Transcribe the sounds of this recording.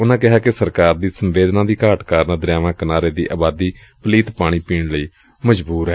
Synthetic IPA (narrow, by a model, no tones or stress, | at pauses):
ʊnãːkɪɦaːkɪsəɾkaːɾd̪iːsəmʋeːd̪nãːd̪iːkaːʈkaːɾnaːd̪əɾjaːʋãːkənaːɾeːd̪ḭːʔaːbaːd̪iː | pəliːt̪paːɽ̃iːpiːɳləiː | məd͡ʒbuːɾɦɛ